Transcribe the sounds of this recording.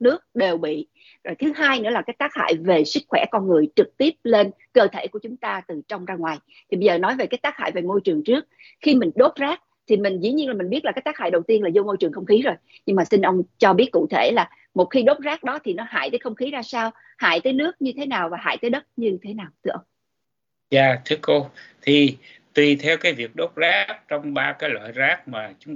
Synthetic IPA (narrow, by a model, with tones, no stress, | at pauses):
nɨ˦˥ək̚ɗe˨˩wɓḭ˧˨ | zo˨˩jt̪ʰɨ˨˦ɦaː˧jnɨ̰˧˥əlːa˨˩kaː˨˦jt̪aː˦˥k̚ha̰ː˧˨jve˨˩sɨ˦˥k̚xwɛ̰˧˩kɔ˧nŋɨ˨˩əjt͡ɕɨ˨˩k̚t̪i˦˥əp̚le˧n | kəː˧t̪ʰe˧˩ku˧˩ət͡ɕʊ˨˦ŋ͡mt̪aː˧t̪ɨ˨˩t͡ɕɔ˧wŋ͡mzaː˧ŋwaː˨˩j | t̪ʰi˨˩ɓə˧jzəː˨˩nɔ˨˦jve˨˩kaː˨˦jt̪aː˦˥k̚ha̰ː˧˨jve˨˩mo˧jt͡ɕɨ˨˩əŋt͡ɕɨ˦˥ək̚ | xi˧mï˨˩ŋ̟ɗo˦˥t̚zaː˦˥k̚ | t̪ʰi˨˩mï˨˩ŋ̟zḭ˧˥ɲi˧ənla˨˩mi˨˩ŋ̟ɓi˦˥əlaː˨˩kaː˦˥jt̪aː˦˥ha̰ː˧˨jɗə˨˩wt̪i˧ənlaː˨˩zo˧mo˧jt͡ɕɨ˨˩əŋxə˧wŋ͡mxi˨˦zo˨˩j | ɲɨ˧ŋmaː˨˩si˧nʔə˧wŋ͡mt͡ɕɔ˧ɓi˦˥ət̚kṵ˧˨t̪ʰe˧˩laː˨˩ | mo˨˩t̚xi˧ɗo˦˥t̚zaː˦˥k̚ɗɔ˨˦t̪ʰi˨˩nɔ˨˦ha̰ː˧˨jt̪əː˨˦xə˧wŋ͡mxi˨˦zaː˧saː˧w | ha̰ː˧˨jt̪əː˨˦jnɨ˦˥ək̚ɲɨ˧t̪ʰe˨˦naː˨˩wvaː˨˩ɦa̰ː˧˨jt̪əː˨˦jɗə˦˥t̚ɲɨ˧t̪ʰe˨˦naː˨˩wt̪ʰɨ˧əʔə˧wŋ͡m | zaː˨˩t̪ʰɨ˨˦əko˧t̪ʰi˨˩ | t̪wi˨˩t̪ʰɛ˧wkaː˨˦jvi˨˩ək̚ɗo˦˥p̚zaː˦˥k̚t͡ɕɔ˧wŋ͡mɓaː˧kaː˨˦jlwa̰ː˧˨jzaː˦˥k̚maː˨˩t͡ɕʊ˨˦ŋ͡m